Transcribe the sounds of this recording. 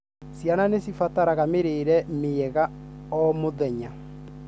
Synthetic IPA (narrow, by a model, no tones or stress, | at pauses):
sjananesifataɾaɣameɾeɾɛmeɛɣa | ɔmoðɛɲa